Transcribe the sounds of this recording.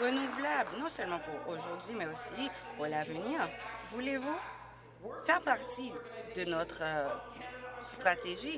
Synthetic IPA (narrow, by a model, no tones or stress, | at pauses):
ʁənuvlablnɔ̃sœlmɑ̃puʁoʒuʁd̪ɥimɛosipuʁlavəniːʁvulevu | fɛʁpaʁt̪id̪ənɔt̪χə | st̪χat̪eʒi